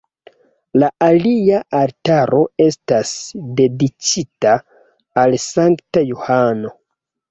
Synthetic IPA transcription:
laʔaliaʔaltaɾo̞e̞stasde̞dit͡ʃitaː | lsaŋktajohano̞

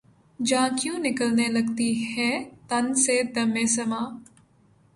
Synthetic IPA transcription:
d͡ʒãːkjũnɪkəlnelɐɡt̪ihɛːt̪ɐnsed̪ɐmẽːsɐmãː

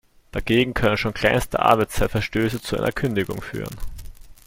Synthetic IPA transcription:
d̥aɡeːɡŋ̩kʰœnənʃoːnkʰl̥aɪnstə̰ʔa̰ɐbæɪt͡stʰaɪtfɛɐʃtøːsət͡suʔa̰ɪnʔɐkʰʏndɪɡʊ̰ŋfy̰ːʁə̰n

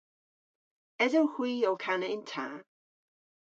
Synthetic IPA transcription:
ɛdɛwhwiːɔkʰanəɪntʰaː

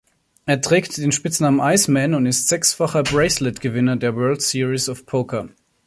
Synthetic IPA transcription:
ʔeːɐtʁ̥ɛːktd̥eːnʃpɪt͡snaːmənʔaɪsmɛnʊntɪstz̥ɛksfaχɐbʁɛɪslɪtɡ̥əvɪnɐdeːɐwɜɐltsiːʁisɔfpʰokʰɐ

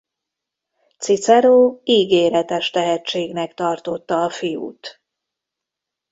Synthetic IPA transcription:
t̪sit̪sɛɾoːiːɡeːɾɛt̪ɛʃt̪ɛɦɛt͡ʃːeːɡnɛkt̪ɒrt̪o̞t̪ːɒːfijṵːt̪

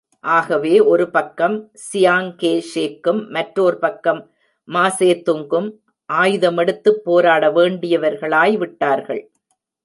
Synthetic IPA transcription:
ʔaːɣɐʋeːʔɔɾɯpɐkːɐm | sɪjaːŋkeːʂeːkːɯmːɐʈɾoːɾɯpɐkːɐmː | aːseːt̪ːʊŋɡɯm | ʔaːjðɐmɛɽɯt̪ːɯpːoːɾaːɽɐʋeːɳɖɪjɐʋɐɾɣɐɭaːjʋɪʈːaːɾɣɐ̰ɭ

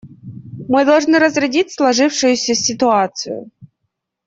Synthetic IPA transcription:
mɨd̪ɐlˠʐnɨɾəzɾʲɪdʲitʲslˠɐʐɨfʂʊjʊsʲəsʲɪt̪ʊat̪sɨjʊ̰

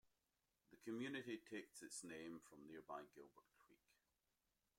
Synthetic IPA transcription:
ðəkʰəmjʉnɪʔitʰeksɪtsnẽɱfɹə̃mniɹbaɪɡɪlˠbə˞dkʰɹ̥ḭk

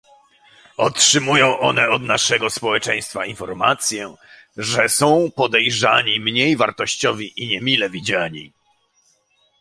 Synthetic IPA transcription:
ɔtʂɘmujɔ̃w̃ʔɔnɛɔd̪naʂɛɡɔspɔwɛt͡ʂɛj̃st̪fainfɔɾma̰t̪sʲjɛ | ʐɛsɔ̃w̃pɔd̪ɛjʐaɲimɲejvaɾt̪ɔɕt͡ɕɔvʲiʔiɲɛmʲilɛvʲid͡ʑaɲḭ

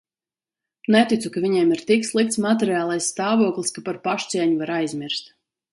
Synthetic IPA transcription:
nɛt̪it̪sukavʲiɲɛɛmiɾt̪ikslˠik̚t̪smat̪ɛɾiaːlˠajssːt̪aːvuɔklˠiskapaɾpaʃt̪siɛɲuvaɾajzʲmʲiɾst̪

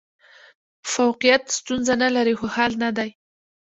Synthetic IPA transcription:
fawqijat̪st̪unzanalaɾixohalnad̪aj

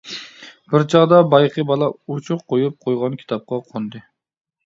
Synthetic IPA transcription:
b̥ɪɾt͡ʃʰɑʁd̪ɑbɑjqʰɨbɑlˠɑut͡ʃʰʊqʰːojup̚qʰojʁɑnkʲʰi̥t̪ʰɑp̚qɑqʰond̪ɨ

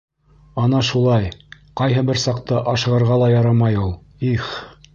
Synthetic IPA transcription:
ɑnɑʃulˠɑjqɑjɦɤbɘɾsɑq̚t̪ɤʔɑʃɤ̆ʁɤ̆ɾʁɑlˠɑjɑɾɑmɑjulˠ | iχ

